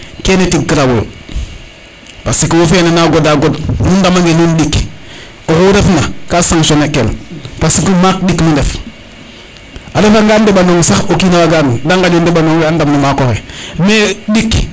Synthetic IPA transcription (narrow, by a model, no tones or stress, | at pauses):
kenetiɡkiɾawul | pasikuwofenanaɡodaɡodnundamaŋɡenindik | okuɾefnakasaŋʃonekːelpasikumak̚ɗiknundef | adefaŋɡandebanoŋsaxokiːnawaɡandaŋɡad͡ʒondebanoŋandamnumakohemedik